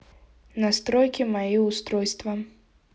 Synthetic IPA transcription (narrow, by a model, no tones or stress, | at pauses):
nast̪ɾɔjkʲimajiust̪ɾɔjst̪vɐ